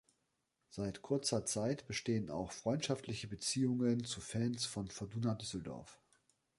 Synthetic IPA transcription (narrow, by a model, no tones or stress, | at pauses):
z̥aɪtkʰʊɐt͡sɐt͡saɪtb̥əʃteːəna̰ʊxfʁ̥ɔʏntʃaftʰlɪçəbət͡siːʊŋənt͡sufɛnsfɔnfɔduːnadʏsl̩dɔ̰ɐf